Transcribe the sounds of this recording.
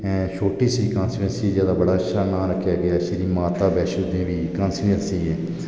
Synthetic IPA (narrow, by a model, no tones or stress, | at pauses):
ʃʰoːʈiːsiːkansiə̃nsiːzjaːd̪aːbəɽaːət͡ʃʃʰaːnãːɾəkʰːjaːɡɪjaːsiːɾiːmaːt̪aːbɛːʃud̪ẽːʋiːkə̃ːnsiənsiːɛ̃ː